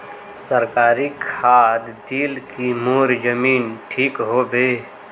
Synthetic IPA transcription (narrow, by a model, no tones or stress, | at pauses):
səɾkaːɾikʰaːd̪d̪iːlkimoːɾd͡ʒəmiːnʈʰiːkɦoːbeː